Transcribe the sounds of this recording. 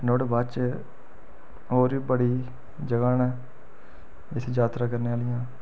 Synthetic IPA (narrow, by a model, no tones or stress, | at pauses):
noɽbaːt͡ʃ | ɦoːɾiːbəɽiː | d͡ʒəɡaːnɛː | ɪsʰd͡ʒaːt̪ɾãːkəɾneːaːlɪjãː